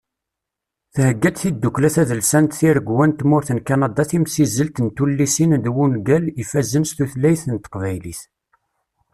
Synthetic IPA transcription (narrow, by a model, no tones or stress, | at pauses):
θhəɡːæd̪θid̪ːuklæθæðəlsænt̪θiɾəɡwænt̪mʊɾθənkɑnɑd̪ɑθimsizːəlt̪nt̪ulːisind̪wunɡælifæzːənst̪uθlæjθənt̪ə̥qvæjliθ